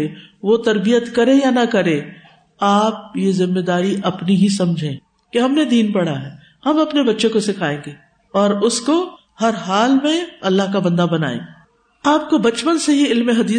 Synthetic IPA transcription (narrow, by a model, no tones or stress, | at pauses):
eʋot̪ɐɾbijət̪kɐɾejanɐkɐɾẽː | aːp̚jezɪmːed̪aːɾiʔɐpniɦisɐ̃md͡ʒʱẽː | keɦɐmned̪iːnpɐɽaɦɛː | hɐmɐpnebɐtːʃẽkosɪkʰaːẽːɡeː | ɔːɾʊsko | hɐɾɦaːlmẽɐlːaɦkabɐ̃nd̪abɐna̰ːḛ̃ːe | aːp̚kobɐt͡ʃpənsejeɪlmeɦɐd̪iː